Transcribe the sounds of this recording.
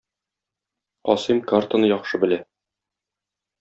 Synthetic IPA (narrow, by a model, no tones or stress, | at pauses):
ɒ̰sɤmkart̪ənɤjɒχʃɤbɘ̆læ